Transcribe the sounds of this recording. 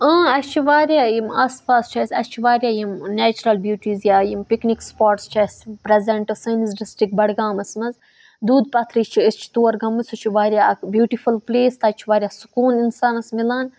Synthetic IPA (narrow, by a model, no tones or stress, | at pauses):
ə̃ːɐst͡ʃʰiʋaːɾʲjaːjimaːspaːst͡ʃʰaːsʲɐst͡ʃʰiʋaːɾʲjaːjimnɛːt͡ʃuɾɐlbjuːʈʲiːzjaːjimpiknikspoːɾʈst͡ʃʰɐspɾezɐɳʈɨsɐnizɖisʈɾik̚bɐɽɡaːmɐsmɐz | d̪uːd̪pɐt̪ʰɾit͡ʃʰiist͡ʃʰi̥t̪oːɐɾɡɐmːɨsut͡ʃʰiʋaːɾʲjaːɐkbjuːʈifulpleːst̪ɐt͡ʃʰiʋaːɾʲjaːsu̥kuːninsaːnɐsmilaːn